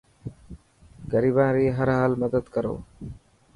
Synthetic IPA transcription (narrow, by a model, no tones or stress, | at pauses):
ɡəɾiːbãːɾiːɦəɾɦaːlməd̪əd̪kəɾo̰ː